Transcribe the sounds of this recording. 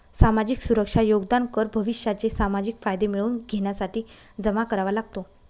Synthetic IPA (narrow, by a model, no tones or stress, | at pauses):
samad͡ʑiksuɾəkʂajoɡd̪ankəɾbʱəʋiɕjat͡sesamad͡ʑikfajd̪emiɭuːnɡʱeɳjasaʈiː | d͡zəmakəɾaʋalaɡt̪o